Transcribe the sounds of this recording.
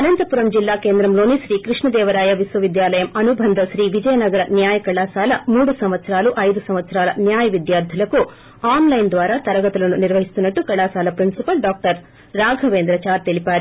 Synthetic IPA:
ɐnɐnt̪ɐpuɾɐmd͡ʒilːaːke̞ːnd̪ɾɐmloːniʃɾiːkɾiʂɳɐd̪ɛːʋɐɾaːjɐʋisʋɐʋid̪jaːlɐjɐmɐnubʱɐnd̪ʱɐʃɾiːʋid͡ʒɐjɐnɐɡɐɾɐnjaːjɐkɐɭːaːsaːlɐmuːɽusɐmʋɐt̪sɾaːluʔɐjd̪usɐmʋɐt̪sɾaːlɐ̰njaːjɐʋid̪jaːɾd̪ʱjɐlɐku | aːnlɐjnd̪ʋaːɾat̪ɐɾɐɡɐt̪ɐlɐnːuniɾʋɐɦist̪unːɐʈːukɐɭːaːsaːlɐpɾinsipɐlɖaːk̚ʈɐɾ | ɾaːɡʱɐʋeːnd̪ɾɐt͡ʃaːɾt̪elipaːɾi

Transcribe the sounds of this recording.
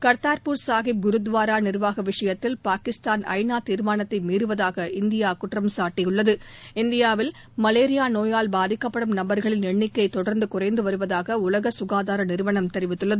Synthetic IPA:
kɐɾt̪aːɾpuɾsaːɣɪɡʊɾɯd̪ʋaːɾaːnɪɾʋaːɣɐʋɪʂɐjɐt̪ːɪlpaːkɪst̪aːnɐ̰ɪnaːt̪ːiːɾmaːnɐt̪ːɐɪmiːɾɯʋɐðaːɣɐɪnd̪ɪjaːkʊʈrɐmsaːʈːɪjʊɭːɐðɯɪnd̪ɪjaːʋɪl | mɐleːɾɪjaːnoːjaːlbaːðɪkːɐpːɐɽɯmnɐmbɐɾɣɐɭɪnɛɳːɪkːɐɪt̪ːɔɽɐɾnd̪ɯkʊrɐɪnd̪ɯʋɐɾɯʋɐðaːɣɐʊlɐɣɐsʊɣaːðaːɾɐnɪɾɯʋɐɳɐmt̪ɛɾɪʋɪt̪ːɯɭːɐðɯ

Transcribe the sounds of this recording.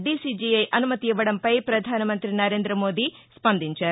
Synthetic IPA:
ɖisid͡ʒiɐjʔɐnumɐt̪iːʋɐɽɐmpɐjpɾɐd̪ʱaːnɐmɐnt̪ɾinɐɾe̞ːnd̪ɾɐmo̞ːd̪ispɐnd̪iɲt͡ʃaːɾ

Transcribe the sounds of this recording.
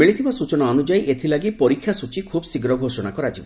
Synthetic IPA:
miɭit̪ʰibasut͡ʃɔnɔanud͡ʒajʔet̪ʰilaɡipɔɾikʰːjasut͡ʃikʰubsiɡɾɔɡʱosɔnakɔɾad͡ʒibɔ

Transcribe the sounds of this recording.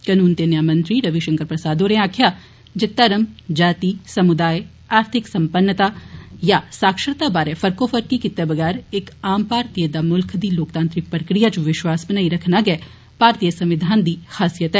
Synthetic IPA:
kɐnuːnt̪enjaːmə̃nt̪ɾiɾɐʋiʃɐ̃ŋkəɾpɾɐsaːd̪oɾẽaːkʰja | d͡ʒɪt̪ːɐɾəmd͡ʒaːt̪isɐmʊd̪aːj | aːɾt̪ʰɪksɐmpənːət̪ajasaːkʃəɾt̪abaːɾefʰɐɾkofʰəɾkikɪt̪ːebɐɡɛːɾekaːmpaːɾt̪ijəd̪amʊlkʰd̪iloːkt̪ãːnt̪ɾɪk̚pɾəkɾijat͡ʃʋɪʃwaːsbɐnaːiɾɐkʰnaɡɛː | paːɾt̪ijəsɐ̃mʋɪd̪ʱaːnd̪ixaːsijət̪ɦɛː

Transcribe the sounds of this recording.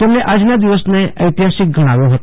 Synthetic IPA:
t̪emneʔad͡znjad̪iʋəsneəjt̪iɦasik̚ɡʱəɽ̃aʋjoɦot̪

